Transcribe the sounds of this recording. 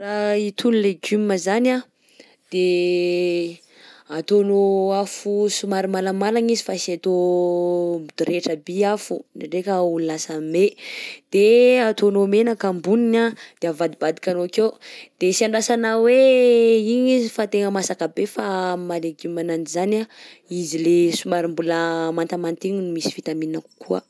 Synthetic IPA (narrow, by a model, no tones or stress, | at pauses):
rait̪ʰunleɡuməzana | d̪̥e | at̪onoafusumaɾimaləmalaɲizifasiat̪o | mud̪̥uɾeʈ͡ʂəbiafunaɖ͡ʐekəululasamed̪̥eat̪onomenakambuninad̪̥eavad̪ibad̪i̥kʲanoakewd̪̥esiaɳɖ͡ʐasanawe | iɲizifat̪eŋəmasakabefamaleɡimananizana | izilesumaɾimbuləmant̪amant̪iɲinumisi̥fit̪amininaku̥kʰuə̰